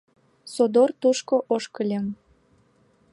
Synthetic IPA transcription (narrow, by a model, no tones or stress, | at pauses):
sod̪ort̪uʃkoʔoʃkəlʲem